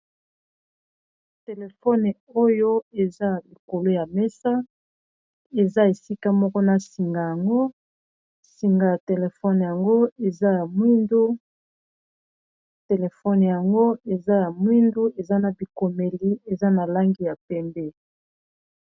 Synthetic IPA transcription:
te˨le˨fɔ˦n˨o˦jo˦e˨za˦li˨ko˨lo˦ja˨mɛ˦sa˦ | e˨za˦e˨si˦ka˦mɔ˦kɔ˦na˨si˨ŋɡa˨ja˨ŋɡo˦ | si˨ŋɡa˨ja˨te˨le˨fɔ˦n˨ja˨ŋɡo˦e˨za˦ja˨mwi˦ndu˦ | te˨le˨fɔ˦n˨ja˨ŋɡo˦e˨za˦ja˨mwi˦ndu˦ʔe˨za˦na˨bi˨ko˨me˨li˦e˨za˦na˨la˦ŋɡi˨ja˨pɛ˦mbɛ˦

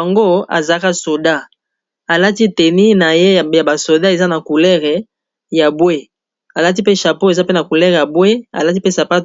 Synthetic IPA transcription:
ŋɡo˦a̰˨za˨˦ka˦so˨da˦ | a˨la˦ti˦te˨ni˦na˨je˦˨ja˨ba˨so˨da˦e˨za˦na˨ku˨lɛ˦ʁe˨ | ja˨bwe˦ | a˨la˦t̬i˦pe˦ʃa˨po˦e˨za˦pe˦na˨ku˨lɛ˦ʁja˨bwe˦a̰˨la˦ti˦pe˦sa˨pa˦t

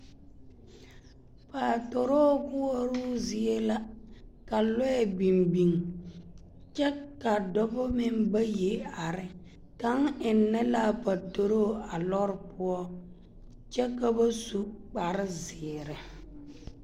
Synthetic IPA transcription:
pa˨to˨ɾoː˦bʊ˦ɔ˦ɾʊ˦zi˨e˦la˦ka˨lɔ˦ɛ˦˨bi˨mbi˨ŋ | t͡ʃɛ˦ka˨dɔ˦bɔ˦mɪ˦mba˦je˨a˨ɾɪ˦ | ka˦ŋɪ˨nːɛ˦la˦˨pa˨to˨ɾo˦˨a˨lɔ˦ɾɪ˨pʊ˦ɔ˦ | t͡ʃɛ˦ka˦ba˦su˦k͡pa˨ɾɪ˦zɪː˨ɾɪ˨

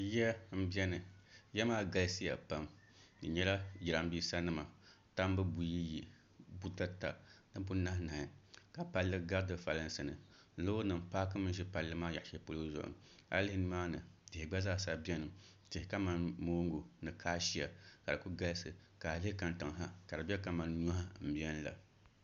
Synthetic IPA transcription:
ja˦m̩˦bi˦ɛ˦nɨ˨jɛ˦maː˦ɡa˨˦lɨ˦sɨ˦ja̰˨pa˦m | nɨ˨ɲɛ˦la˦ji˨ɾa˨m˦biː˦sa˦nɨ˦ma˨ | ta˦m˦bɨ˦bu˨ji˦ji˨ | bu˦ta˦ta˨nɨ˦bu˦na˦hna˨ŋɨ˨ka˨pa˦lːɨ˦ɡa˦dɨ˨fa˨lɨ˦nsɨ˨nɨ̰˨˦ | lo˦o˦nɨ˨mpaː˦k̬ɨ˦mɨ˦nʒɛ˦pa˨lːɨ˦maː˦ja˨ʔʃɛ˦po˦lo˦zʊ̰˨ʔʊ̰˨ | a̰˦lɪ˦hɪ˦nɨ˦maː˦nɨ˨tɪ˨ɪ˨ɡ͡ba˦zaː˦˨sa˨bɛ˦nɨ˨m | tɪ˨hɪ˨ka˦ma˦nmoː˦ŋ˦ɡu˨nɨ˨kʰaː˦ʃi˦a˨ka˨ɾɨ˨ku˦ɡa˦lsɨ˨ka˨lɪ˦hɪ˦ka˨nta˨ŋ˨ɦa˦ka˨ɾɨ˨bɛ˦ka˨ma˨nɲɔ˦ha˦m̩˨bi˦ɛ˦n˦la̰˨

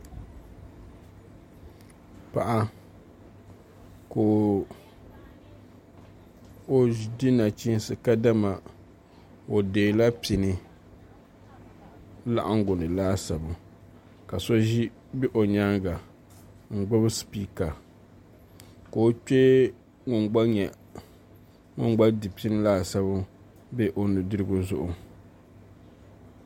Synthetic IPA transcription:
pa̰˨ʔa˦ | ko˨ | o˨dɪ˦na˨t͡ʃi˦sɨ˨ka˦da˦ma˨ | o˨deː˨la˦pi˨nɨ˨ | la̰˦˨ʔa˦ŋ˦ɡʊ˨nɨ˨laː˦sa˨bʊ˨ | ka˨so˦ʒi˦ | bɪ˦ʔo˨ɲa˦ŋɡa˨ | ŋ̩˨ɡ͡bʊ˦bɨ˦spi˦˨ka˨ | ka˨o˦t͡ʃɛ˦ | ŋʊ˨ŋɡ͡ba˦ɲɛ˨ | ŋʊ̰˦ŋɡ͡ba˦dɨ˨pi˦nɨ˦laː˦sa˦bʊ˦ | be˦ʔo˦nɨ˨dɨ˦ɾɨ˦ɡʊ˦zʊ̰˦ʔʊ˨

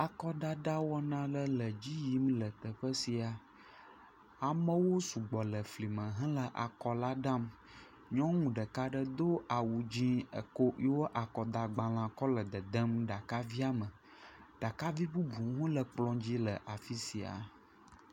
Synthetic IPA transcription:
a˨kɔ˦ɖ̪a˦ɖ̪a˦wɔ˦nã˦lə˦lə˨d͡ʑi˦ji˦mlə˨t̪ə˨ɸə˦si˨a˨ | a˨mə̃˦wo˦su˨ɡ͡bɔ˨lə˨fli˨mə̃˨ɦɛ̃˦lə˨ʔa̰˨kɔ˨la˦ɖã˦m | ɲɔ̃˦ŋũ˨ɖə˨ka˦ɖə˦d̪o˦a˨wu˨d͡ʑĩ˦ə̰˨ko˦jwo˦ʔa˨kɔ˨d̪a˨ɡ͡bã˨l̃ã˨kɔ˦lə˨d̪ə˨d̪ə˦mɖa˨ka˦vi˦a˦mə˨ | ɖ̥a˨ka˦vi˦bu˦bu˨˦ɦũ˦lə˨k͡plɔ̃˦d͡ʑi˦lə˨ʔa˨fi˦si˨a̰˨

